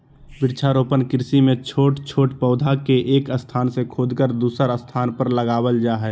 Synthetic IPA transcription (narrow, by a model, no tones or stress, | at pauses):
bɪɾt͡ʃʰaɾoːpənkɪɾsimẽt͡ʃʰoːʈt͡ʃʰoːʈpəːd̪ʱakeʔeːkəst̪ʰaːnsekʰoːd̪kəɾd̪uːsəɾəst̪ʰaːnpəɾləɡaːwəld͡ʒaːɦɛː